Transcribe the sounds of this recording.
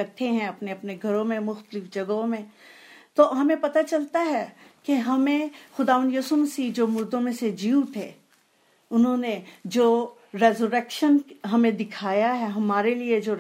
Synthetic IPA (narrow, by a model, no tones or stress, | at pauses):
ɐɾt̪ʰeɦɛ̃ɐpneɐpneɡʱɐɾõmẽmʊxt̪əlɪfd͡ʒɐɡɦõmẽt̪oɦɐmẽpɐt̪at͡ʃɐlt̪aɦɛkeɦɐmẽxʊd̪aːʋə̃nd̪juːsʊməsid͡ʒoːmʊɾd̪õmẽsed͡ʒiːut̪ʰeː | ʊnɦõned͡ʒoː | ɾɛːzuɾɛːkʃənɦɐmẽd̪ɪkʰaːjaɦɛɦɐmaːɾelied͡ʒoː